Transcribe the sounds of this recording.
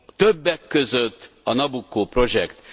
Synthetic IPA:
t̪øbːɛkːøzøt̪ː | ɒnɒbukːoːpro̞ʒɛ̰kt̪

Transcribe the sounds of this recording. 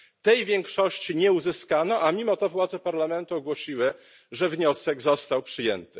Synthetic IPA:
t̪ɛjvʲjɛŋkʂɔɕt͡ɕiɲɛuzɘskanɔʔamʲimɔt̪ɔvwad̪zɛpaɾlamɛnt̪uɔɡwɔɕiwɘ | ʐɛvɲɔsɛɡzɔst̪awpʂɘjɛnt̪ɘ

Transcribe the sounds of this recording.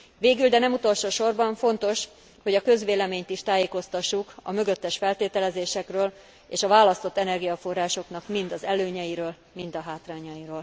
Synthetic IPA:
veːɡyld̪ɛnɛmut̪o̞lʃoːʃo̞rbɒɱfo̞nt̪o̞ʃ | ho̞ɟɒkø̞zʋeːlɛmeːɲt̪iʃt̪aːjeːko̞st̪ɒʃːukɒ̰mø̞ɡø̞t̪ːɛʃfɛlt̪eːt̪ɛlɛzeːʃɛkrøːl | eːʃɒvaːlːɒst̪o̞t̪ːɛnɛrɡijɒfo̞rːaːʃo̞knɒkmind̪ɒzɛløːɲɛjiɾøːl | mind̪ɒɦaːt̪raːɲɒjiɾoːl

